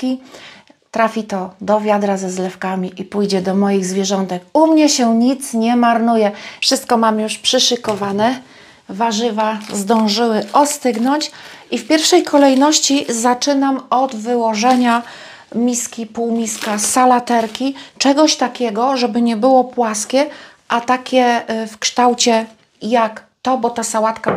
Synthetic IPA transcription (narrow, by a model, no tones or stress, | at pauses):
kʲi | t̪ɾafʲit̪ɔd̪ɔvʲjad̪ɾazɛzlɛfkamʲiʔipujd͡ʑɛd̪ɔmɔjiɣzvʲjɛʐɔnt̪ɛkumɲɛɕɛɲit̪sɲɛmaɾnujɛfʂɘst̪̚kɔmamjuʂpʂɘʂɘkɔvanɛ | vaʐɘvazd̪ɔ̃w̃ʐɘwɘʔɔst̪ɘɡnɔɲt͡ɕifpʲjɛɾfʂɛjkʰɔlɛjnɔɕt͡ɕizat͡ʂɘnamɔd̪vɘwɔʐɛɲa | mʲiskʲipuwmʲiskasalat̪ɛɾkʲit͡ʂɛɡɔɕt̪akʲɛɡɔʐɛbɘɲɛbɘwɔpwaskʲɛ | ʔat̪akʲɛfkʂt̪awt͡ɕɛ | jak | t̪ɔbɔt̪asawat̪ka